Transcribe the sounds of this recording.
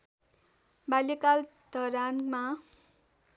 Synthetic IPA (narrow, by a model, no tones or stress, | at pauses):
balekal | d̪ʱʌɾanma